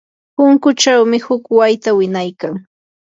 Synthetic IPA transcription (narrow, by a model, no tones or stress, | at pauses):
pʊŋkʊt͡ʃawmɪhʊkwajt̪awɪnajkaŋ